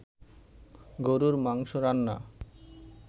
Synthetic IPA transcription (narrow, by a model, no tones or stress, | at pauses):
ɡoɾuɾmaŋʃoɾanːa̰